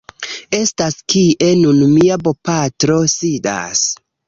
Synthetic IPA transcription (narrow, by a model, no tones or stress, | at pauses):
e̞staskiʔe̞nunmiabo̞patɾo̞sida̰s